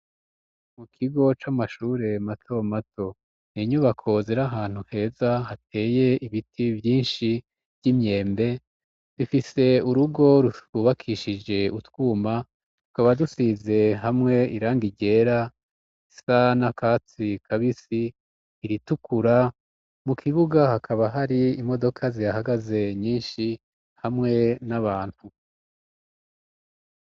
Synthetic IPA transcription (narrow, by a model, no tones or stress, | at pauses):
mukʰiɡo̞t͡ʃamaʃuːɾe̞matʰo̞mato̞ | niɲuβakʰo̞zeɾaɦaːn̥huhe̞ːzaɦatʰe̞ːje̞iβitʰiβjiːnʃi | bɟimɲe̞ːmbe̞ | d̥ufise̞uɾuɡo̞ɾuuβakʰiʃid͡ʒe̞utwuːma | tu̥kaβaɾadusize̞ɦamŋe̞iɾaːŋɡiɟe̞ːɾa | isanakat͡sikʰaβisiː | ɾitukʰuɾa | mukʰiβuɡahakʰaβaɦaɾiimo̞do̞kʰazijahaɡaze̞ɲiːnʃi | hamŋe̞naβaːn̥hu